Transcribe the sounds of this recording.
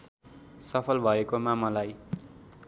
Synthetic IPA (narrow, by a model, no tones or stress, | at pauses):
sʌpʰʌlbʱʌekomamʌlaj